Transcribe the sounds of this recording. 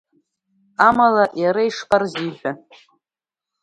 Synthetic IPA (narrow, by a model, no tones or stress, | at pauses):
amalajaɾaiʂpʼarziħʷᶣa